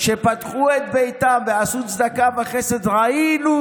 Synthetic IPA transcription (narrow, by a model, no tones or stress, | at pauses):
ʃe̞pat̪χuet̪bejt̪amveasut̪t͡sd̪akabaχesed̪ʁainu